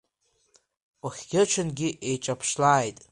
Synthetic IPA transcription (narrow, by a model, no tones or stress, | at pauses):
oχʲɡʲɪt͡ʃʷʰɪnɡʲɪʔejʈ͡ʂʼapʰʂlaːjtʼ